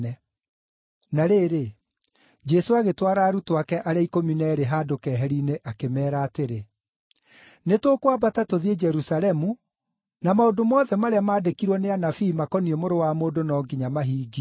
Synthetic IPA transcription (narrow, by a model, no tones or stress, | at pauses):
ɛ | naɾeːɾe | d͡ʒɛsoaɣetwaɾaːɾutoakɛʔaɾeaikominɛɾeɦaːdokɛːɦɛɾineʔakemɛːɾaːteɾe | netwokwabatatoðied͡ʒɛɾusalɛmu | namaodomɔːðɛmaɾeamaːdekiɾwɔneanafiːmakɔniɛmoɾowamoːdonɔːɡiɲamaɦiːɡi